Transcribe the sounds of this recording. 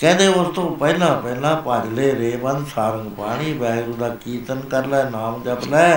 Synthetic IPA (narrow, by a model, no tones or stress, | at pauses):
kɛ̃ːnd̪eːʊst̪õːpɛilãːpɛilãːpãːd͡ʒleːɾeːbə̃nd̪saːɾəŋɡpaːɽ̃iːbɛːɡɾũːd̪aːkiːt̪ənkəɾlɛːnaːmd͡ʒəplɛː